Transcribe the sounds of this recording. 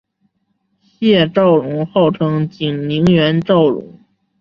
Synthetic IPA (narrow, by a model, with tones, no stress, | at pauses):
ɕjɛ˥˧ʈ͡ʂɑ˥˩ʊɻʊ˧˥ŋxo˥˩ʊʈ͡ʂʰɤ˧˥ŋt͡ɕi˨˩ŋni˧˥ŋɥɛ˧˥nʈ͡ʂɑ˥˩ʊɻʊ̰˧˥ŋ